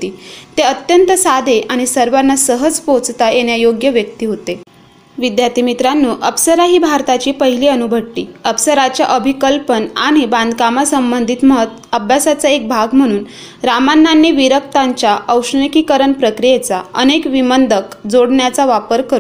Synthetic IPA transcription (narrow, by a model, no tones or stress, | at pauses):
ɦot̪iːt̪eət̪jənt̪əsad̪ʱeʔaɽ̃isəɾʋanːasəɦəd͡zpot͡st̪ajeɳjajoɡjəʋjək̚t̪iːɦot̪e | ʋid̪jat̪imit̪ɾanːuːʔəpsəɾaɦiːbʱaɾt̪at͡ɕiːpəɦiliːənubʱəɽlḭːəpsəɾat͡ɕjaʔəbʱikəlpənaɽ̃ibãnd̪ʱkamasəmbənd̪ʱit̪məɦt̪əbʱjasat͡saek̚bʱaɡm̤əɽ̃uːn | ɾamanːanːiːʋiɾək̚t̪aɲt͡ɕjaʔəwʂɳikikəɾəɳpɾəkɾijet͡saənekʋimənd̪ʱəkd͡zoɽɳjat͡saʋapəɾkəɾuː